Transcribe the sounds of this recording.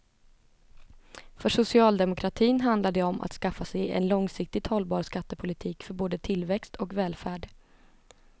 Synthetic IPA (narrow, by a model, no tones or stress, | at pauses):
fœʂʊsɪɑːld̪ɛmʊkʰɾat̪ʰiːnɦand̪lad̪ɛɔmʔa̰t̪skafːasɛjɛ̰nlɔŋsɪk̚t̪ɪt̪hɔlbɑːɾskat̪ːəpʰʊlɪt̪ʰiːkfœɾboːd̪ət̪ʰɪlvɛkst̪ɔkvɛːlfæːɖ